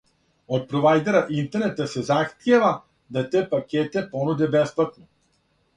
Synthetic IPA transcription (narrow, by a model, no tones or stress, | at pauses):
ot̪̚pɾovajd̪ɛɾaint̪ɛɾnɛt̪əsɛzaxt̪ɛva | d̪at̪ɛpakʲɛt̪ɛpɔnud̪ɛbɛsplat̪no